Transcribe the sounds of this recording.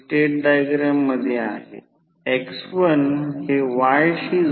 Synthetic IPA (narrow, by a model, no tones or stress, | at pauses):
ʈeʈ̚ɖajɡɾəmːəd̪ʱjea̰ɦḛ | eksʋənheʋajɕiː